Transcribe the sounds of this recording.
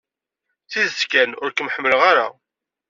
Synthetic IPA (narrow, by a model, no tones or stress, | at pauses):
θizəskænʊɾkəmħəmːələʁaɾa̰